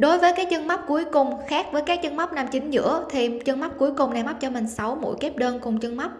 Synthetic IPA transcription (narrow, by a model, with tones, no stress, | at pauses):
ɗo˨˦jvəː˨˦jkaː˨˦˥k̚t͡ɕə˧nma˦˥p̚ku˨˦əjkʊ˨˩ŋ͡mxaː˦˥k̚vəː˨˦jkaː˦˥k̚t͡ɕə˧nma˦˥k͡p̚naː˨˧˩mt͡ɕï˨˦ŋ̟zɨ̰˧˥ət̪ʰi˨˩t͡ɕə˧nma˦˥p̚ku˨˦jkʊ˨˩ŋ͡mna˨˩jma˦˥p̚t͡ɕɔ˧mï˨˩ŋ̟sa˨˦wmṵ˧˥jke˦˥p̚ɗəː˧nkʊ˨˩ŋ͡mt͡ɕə˧ŋma˦˥